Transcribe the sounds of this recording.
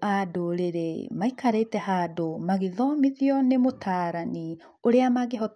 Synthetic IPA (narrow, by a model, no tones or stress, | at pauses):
adoɾeɾemaikaɾetɛɦaːdomaɣiðɔmiðiɔnemotʰaːɾani | oɾeamaɣeɦɔ